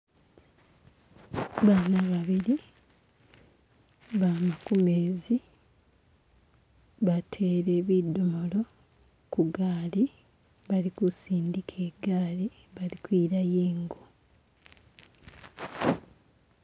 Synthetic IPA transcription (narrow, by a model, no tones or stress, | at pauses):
βaːnaβaβiɾi | βamakumeːzi | βatʰe̞ɾe̞ːβidːomolo̞ | kuɡaːli | βalikusiːndikʰe̞ːɡaːli | βalikwiːɾajeːŋɡo